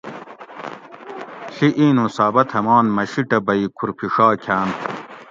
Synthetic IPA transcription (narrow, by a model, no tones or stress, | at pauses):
ɬiʔiːnũsaːbɐt̪ʰɐmaːnmɐɕiʈɐbɐikʰuɾpʰiʂaːkʰaːn